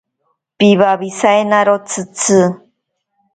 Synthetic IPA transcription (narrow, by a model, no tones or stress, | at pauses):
piβaβisaenaɾot͡sʰɨt͡sʰɨ